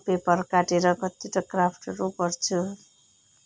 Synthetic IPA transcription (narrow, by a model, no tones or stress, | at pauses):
pepʌrkaʈeɾʌkʌt̪ːiʈʌkrapʰʈɾupʌrt͡sʰu